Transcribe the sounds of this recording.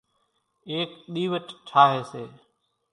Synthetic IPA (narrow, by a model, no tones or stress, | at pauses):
eːkɗ̪iːʋət͡ʃt͡ʃʰaːɦeːseː